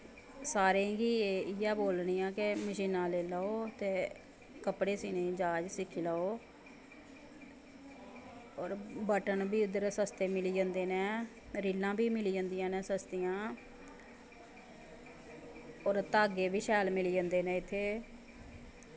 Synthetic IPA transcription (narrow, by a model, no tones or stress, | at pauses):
saːɾẽːkieːɪjaːboːlniːãːkɪməʃiːnːãːleːlaːoːt̪eː | kəpɽeːsiːneːd͡ʒaːd͡ʒsɪkʰːiːlaːoː | ɔːɾbəʈənbʱiːʊd̪əɾsəst̪eːmɪliːd͡ʒə̃ːnd̪eːnɛ̃ː | ɾiːlːãːbiːmɪliːd͡ʒə̃ːnd̪ijãːnẽːsəst̪ɪjãː | ɔːɾt̪aːɡeːbiːʃɛːlmɪliːd͡ʒãːnd̪eːnɛ̃ːɪt̪ʰːeː